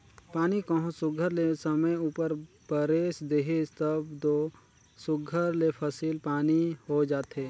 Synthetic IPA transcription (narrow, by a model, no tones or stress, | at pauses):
paːnikəɦõsʊɡʱəɾlesəməjuːpəɾ | b̥əɾeːsd̪eːɦet̪əbd̪oː | sʊɡʱəɾlepʰəsiːlpaːnihod͡ʒaːt̪ɦeː